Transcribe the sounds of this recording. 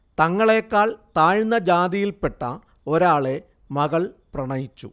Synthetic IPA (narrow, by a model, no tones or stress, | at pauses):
t̪ɐŋːɐɭe̞ːkːaːɭt̪aːɻnːɐd͡ʑaːd̪ijilpe̞ʈːɐ | o̞ɾaːɭe̞ | mɐɣɐɭprɐɳɐjit͡ɕːṵ